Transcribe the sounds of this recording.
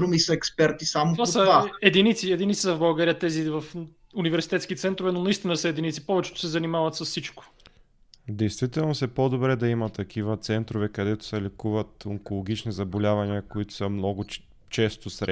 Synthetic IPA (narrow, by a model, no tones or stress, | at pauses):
ɾumisɐɛkspɛɾt̪isamoasəaɛd̪init̪siɛd̪init̪si̥sɐvbɐlˠɡaɾijət̪ɛzivɐf | univɛɾsit̪ɛt̪skit̪sɛnt̪ɾʊvɛnonɐist̪inɐsəɛd̪init̪sipɔvɛt͡ʃɛ̥t̪o̥sɛzɐnimavɐt̪sɐssit͡ʃko̥ | d̪ɛjst̪vit̪ɛlˠnosɛpod̪obɾɛd̪ɐimɐt̪ːɐkʰivət̪sɛnt̪ɾovɛkɐd̪ɛt̪ʊ̥sɛlɛkuvət̪oŋkolˠoɡ̟it͡ʃnizɐbolʲavɐniəkoit̪ʊ̥sɐmnɔɡʊ | t͡ʃɛst̪osɾ